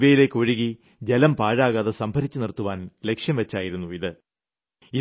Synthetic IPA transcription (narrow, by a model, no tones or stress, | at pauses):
ʋɐjile̞kːo̞ɻiɣi | d͡ʑelɐmpaːɻaːɣaːðɨsɐmbʱɐɾit͡ɕːɨnirt̪ːuʋaːnle̞kʂjɐmʋet͡ɕːaːjiɾunːuiðɨ | i